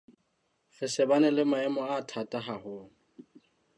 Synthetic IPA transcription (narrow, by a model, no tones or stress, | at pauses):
fɪsɪbanɛlɪmaɛmɔatʰatʼaɦahʊːŋ̩